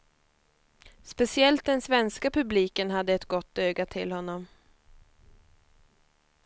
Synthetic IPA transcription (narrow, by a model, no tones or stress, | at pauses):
spɛsɪɛlt̪̚d̪ɛnsvɛnskapɵbliːkənɦad̪ːəɛt̪ɡɔt̪ːøːɡat̪ʰɪlhɔnːɔm